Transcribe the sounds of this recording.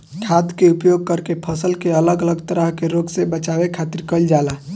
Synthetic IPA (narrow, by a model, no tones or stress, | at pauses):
kʰad̪keupjoɡ̚kəɾkepʰəsəlkeələɡələɡt̪əɾəɦkeɾoɡsebət͡ʃawekʰat̪iɾkəld͡ʒala